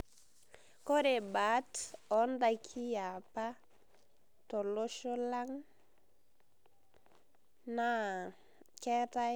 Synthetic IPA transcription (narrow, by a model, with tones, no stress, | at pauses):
kɔ˦ɾe˨ba˨˦tɔ˨˦nda˨kʰi˦ja˨pa˦ | tɔ˨lo˦ʃɔ˦la˦ŋ | na˦ | kɛ˦ta˦